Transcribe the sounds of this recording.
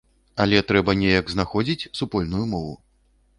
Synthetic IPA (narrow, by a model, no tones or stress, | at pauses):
ɐlʲɛt̪ɾɛbɐnʲejɐkznaxɔd͡zʲit͡sʲsupɔlʲnujumɔvṵ